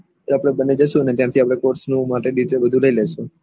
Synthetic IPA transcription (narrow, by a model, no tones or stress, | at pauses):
oapɽ̃ebəned͡ʒəʃũənet̪jãt̪ʰiapɽ̃ekoɾsnũmaʈeɖiʈɾebəd̪ʱũləileʃũ